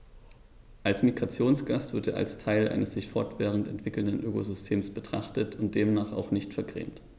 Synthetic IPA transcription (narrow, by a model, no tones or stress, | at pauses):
ʔalsmiɡʁat͡sjoːnsɡ̥astv̥ɪɐtḛːɐʔa̰lstʰaɪlʔa̰ɪnəsz̥ɪçfɔɐtv̥ɛːʁ̞ən̩tɛ̰ntv̥ɪkl̩ndənʔøːkozʏstʰeːmsb̥ətʁ̥aχtətʰʊnt̚d̥eːmnaːχa̰ʊxnɪçtfɛɐɡʁḛːmt